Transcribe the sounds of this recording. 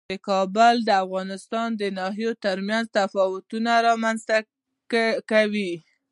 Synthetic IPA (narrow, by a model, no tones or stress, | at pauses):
d̪əkɑbʊld̪əafɣɑnɪst̪ɑnd̪ənɑɦijot̪əɾmjanzt̪afɑwʊt̪unaɾɑmanzt̪a | kawi